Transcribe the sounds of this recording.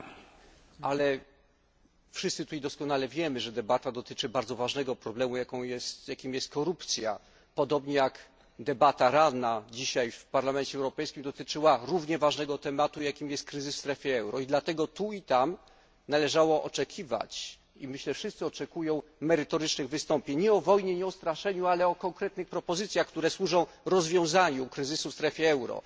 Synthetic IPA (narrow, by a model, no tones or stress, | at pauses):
alɛ | fʂɨst̪sɘt̪uid̪ɔskɔnalɛvʲjɛmɘʐɛd̪ɛbat̪ad̪ɔt̪ɘt͡ʂɘbaɾd̪zɔvaʐnɛɡɔpɾɔblɛmujakɔ̃w̃jɛst̪jakʲimjɛst̪̚kɔɾupt̪sʲja | pɔd̪ɔbɲɛjak | d̪ɛbat̪aɾanad͡ʑiɕajfpaɾlamɛnt͡ɕɛɛwɾɔpɛjskʲimd̪ɔt̪ɘt͡ʂɘwaɾuvɲɛvaʐnɛɡɔt̪ɛmat̪ujakʲimjɛst̪kɾɘzɘsfst̪ɾɛfʲjɛɛwɾɔid̪lat̪ɛɡɔt̪uit̪am | nalɛʐawɔʔɔt͡ʂɛkʲʰiva̰t͡ɕ | ḭmɘɕlɛfʂɨst̪sɘɔt͡ʂɛkujɔ̃w̃mɛɾɘt̪ɔɾɘt͡ʂnɘɣvɘst̪ɔmpʲjeɲɲɛɔvɔjɲɛɲɛɔst̪ɾaʂɛɲualɛɔkɔŋkɾɛt̪̚nɘxpɾɔpɔzɘt̪sʲjaxkt̪uɾɛswuʐɔ̃w̃ɾɔzvʲjɔ̃w̃zaɲukɾɘzɘsufst̪ɾɛfʲjɛɛwɾɔ̰